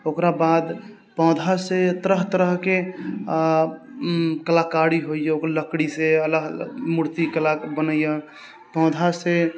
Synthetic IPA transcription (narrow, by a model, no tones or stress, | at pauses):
okɾabad̪ | pɔ̃d̪ʱaset̪ɾəɦt̪əɾəɦke | kəlakaɾiɦoijeokɾləkɽiseələɡmuɾt̪ikəlabənəijə | pɔ̃d̪ʱase